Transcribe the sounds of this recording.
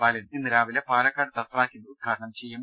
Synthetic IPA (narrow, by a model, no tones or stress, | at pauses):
aːleninːɨɾaːʋilepaːlɐkːaːɽɨt̪ɐsiraːkʲːunːɨud̪̚ɡʰʱaːɾɐɳɐmt͡ɕejːum